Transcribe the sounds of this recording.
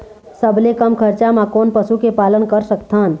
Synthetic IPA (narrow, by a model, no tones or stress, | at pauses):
səblekəmkʰəɾt͡ʃamãkoːnpəsukepaːlənkəɾsəkt̪ʰaːn